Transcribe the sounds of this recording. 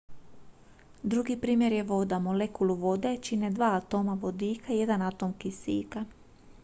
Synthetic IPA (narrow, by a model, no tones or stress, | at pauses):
d̪ɾuɡipɾiːmje̞ɾje̞ʋo̞d̪amo̞lekuluʋo̞d̪e̞t͡ʃine̞d̪ʋaːat̪o̞ːmaʋo̞d̪iːkʰaije̞d̪anat̪o̞mkisḭːka